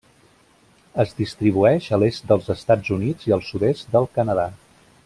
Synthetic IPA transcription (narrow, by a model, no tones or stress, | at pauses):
əzd̪ist̪ɾiβ̞uɛʃəlest̪̚d̪əlˠzəst̪ad͡zunid͡ziəlˠsuðest̪̚d̪əlˠkənəða